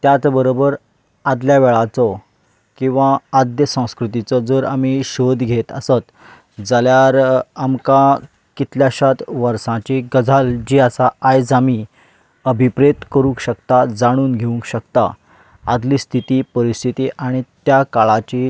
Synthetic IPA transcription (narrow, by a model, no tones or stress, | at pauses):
t̪jat͡sbəɾobəɾ | ad̪ljaʋeɭat͡sɔ | kĩw̃ʋãːd̪jəsə̃w̃skɾut̪it͡sɔd͡zəɾamiɕod̪ʱɡʱet̪ə̰sat̪ | d͡zaljaɾamka | kit̪ljaɕat̪ʋəɾsãt͡ɕiɡəd͡zʱald͡ʑiːasaajd͡zami | əbʱipɾet̪kəɾũŋkɕəkt̪ad͡zaɽ̃uːnɡʱeũŋkɕəkt̪a̰ | ad̪liːst̪ʰit̪iːpəɾist̪ʰit̪iːʔaɽ̃it̪jakaɭat͡ɕi